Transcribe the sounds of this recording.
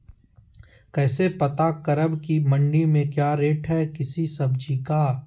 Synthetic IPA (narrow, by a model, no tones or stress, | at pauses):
kɛːsepɐt̪akɐɾəbkimɐ̃ɳɖimẽkjaːɾeːʈɦɛːkɪsisɐbd͡ʒika